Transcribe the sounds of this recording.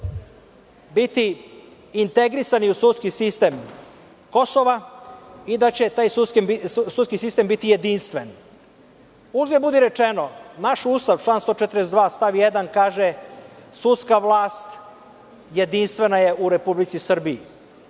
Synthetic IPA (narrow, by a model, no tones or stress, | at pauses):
bit̪iː | nt̪eɡɾisaniusut̪skisist̪e̞ːm | ko̞soʋa | id̪at͡ɕe̞t̪aːjsuskembisut̪skisist̪e̞mbit̪ijed̪inst̪ʋen | uʒd̪ebud̪iɾet͡ʃenonaʃust̪aʋt͡ʃlˠaːnst̪ot͡ʃet̪ɾesd̪ʋaːst̪aʋijed̪ankaːʒesut̪skaʋlˠaːst̪ | jed̪inst̪ʋe̞naje̞ʔuɾe̞publit̪sisr̩bii